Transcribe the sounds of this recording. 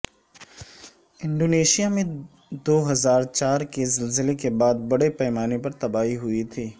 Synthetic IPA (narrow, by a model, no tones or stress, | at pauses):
ɪ̃ɳɖoːneːʃijamẽ | d̪oːɦɐzaːɾt͡ʃaːɾkezɪlzɪlekebaːd̪̚bɐɽepɛːmaːnepɐɾt̪ɐbaːɦiɦʊit̪ʰiː